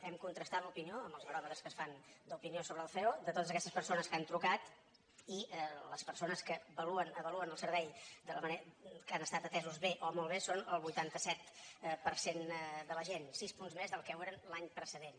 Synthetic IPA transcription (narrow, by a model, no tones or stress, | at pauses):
ɛmkunt̪ɾəst̪at̪lupinioəmbəlˠzməɾɔmət̪əskəsfand̪əupiniosoβɾəːlˠfɛod̪ət̪ot̪əzəkɛst̪əspərsonəskant̪ɾukat̪ | iɛləspəɾsonəskəβəluənəβəluənəlˠsəɾβɛjd̪ələmənekanəst̪at̪ət̪ɛzuzβeʔomolˠβesonəlˠβujt̪ant̪əsɛt̪pəɾsend̪ələʒensispunzmezðəlˠkɛweɾənlaɲpɾəsəðen